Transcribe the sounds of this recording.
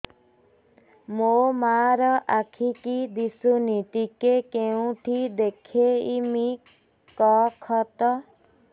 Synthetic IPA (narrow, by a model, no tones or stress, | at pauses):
momaɾɔʔakʰikid̪isunit̪ikekeũʈʰid̪ekʰeimi | kɔkʰɔt̪ɔ